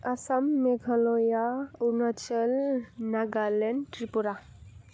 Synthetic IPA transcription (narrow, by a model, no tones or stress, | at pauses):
əsamːeɡʱəlojaunat͡ʃəlnaɡalenʈɾipuɾa